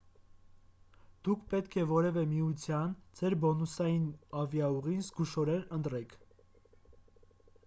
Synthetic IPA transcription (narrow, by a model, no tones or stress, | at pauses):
d̪̥ukʰpɛt̪kʰɛvɔɾɛvɛmiut͡sʰjɑnd͡zɛɾbɔnusɑjinɑvjɑuʁinzɡuʃɔɾɛɾənt̪ɾɛkʰ